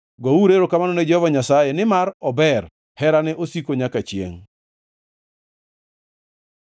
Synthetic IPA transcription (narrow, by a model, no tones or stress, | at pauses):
ɡɔuɾeɾokamanɔned͡ʒɔvaɲasajenɪmaɾɔbɛɾ | hɛɾanɛʔosikoɲakat͡ʃjḛŋ